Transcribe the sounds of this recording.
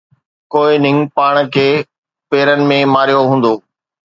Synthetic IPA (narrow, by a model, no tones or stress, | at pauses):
koːɪnɪ̃ŋɡpaːɽ̃kʰeː | peːɾənɪ̆mẽmaːɾijoɦũːn̆d̪oː